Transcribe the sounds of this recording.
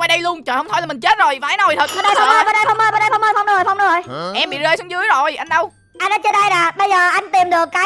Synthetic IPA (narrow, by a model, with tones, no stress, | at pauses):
wa˧˩jɗə˧jlu˧ənt͡ɕəː˨˩hə˧wŋ͡m̪ʰo˧jlaː˨˩ï˨˩ŋ̟t͡ɕe˦˥t̚zo˨˩jvaː˨a˨˦no˨˩jt̪ʰə˨˩t̚a˨˦ɗə˧jfŋ͡mʔəː˧jɓa˨˧˩ɗə˧jfa˧wŋ͡mʔəː˧jɓaː˨˧˩ɗə˧jfa˧wŋ͡məː˧jfa˧wŋ͡mɗu˧˦˥fa˧wŋ͡mɗʊ˨˦o˧˨˩jʔɛ˧mɓḭ˧˨zəː˧jsŋ͡mzɨ˨˦əjzo˨˩jʔa˧jŋɗə˧w | ʔa˧jnɔː˨˦jt͡ɕə˧nɗə˧jnaː˨˩ɓə˧jzəː˨˩ʔa˧jŋ̟t̪i˨˩mɗɨ˨˩əkːaː˨˦